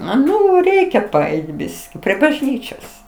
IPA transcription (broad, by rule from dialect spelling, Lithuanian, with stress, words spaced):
ˈnʊ ˈrʲɛɪkʲɛ pɐˈɛɪt ˈbʲɪsʲkʲɪ pʲrʲiɛ bɐʒʲˈnʲiːt͡ʃʲoːs